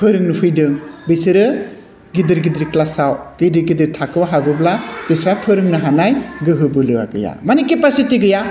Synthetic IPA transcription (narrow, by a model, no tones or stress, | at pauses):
pʰɯɾɯŋnɯpʰɯjdɯŋbisɯɾɯ | ɡidɯɾɡidɾiklasawɡ̥idɯɾɡidɯɾtʰakɯwaɦaɡɯblab̥isɾapʰɯɾɯŋnɯɦanajɡɯɦɯbɯlɯwa̰ɡɯ̰ja̰manikepasitiɡɯja